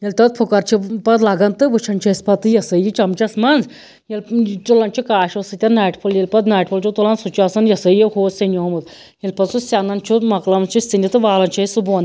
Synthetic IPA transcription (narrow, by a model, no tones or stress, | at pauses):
jɐlʲt̪ɐt̪̚pʰukɐɾt͡ʃʰipɐd̪laːɡɐnt̪ɨʋɨt͡ʃʰɐnt͡ʃʰɐsʲpɐt̪ɨjɐsɨjit͡ʃɐmt͡ʃɐsmɐnz | jɐltulɐnt͡ʃʰikaːʃosɨt̪ʲɐnaːjʈpʰuljelʲpɐt̪naːjʈpʰult͡ʃʰut̪ulɐnsut͡ʃʰuɐsɐnjɐsɨjihoːsinʲjoɦɐmud̪ | jelʲpɐt̪susʲanɐnt͡ʃʰumɐklɐmt͡ʃʰist̪inʲit̪ɨʋaːlɐnt͡ʃʰɐsubuɐn